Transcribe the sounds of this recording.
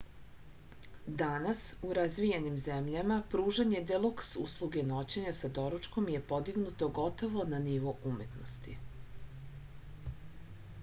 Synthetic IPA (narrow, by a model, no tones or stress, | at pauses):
d̪anasuɾazʋijenimzemʎamapɾuːʒaɲe̞d̪elˠuksṵslˠuɡe̞no̞t͡ɕeɲasad̪o̞ɾut͡ʃko̞mje̞po̞d̪iɡnut̪o̞ɡo̞t̪o̞ʋo̞naniʋo̞ʔume̞t̪nost̪ḭ